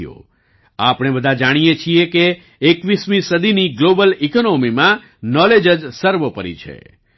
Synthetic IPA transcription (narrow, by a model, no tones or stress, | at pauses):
jo̰ | apɽ̃ebəd̪ʱãd͡ʒaɽ̃ijet͡ʃʰijekeː | kʋismĩsəd̪ʱiniɡlobəlikonomimã | nɔled͡ʒəd͡ʒsəɾʋəpəɾḭt͡ʃʰḛ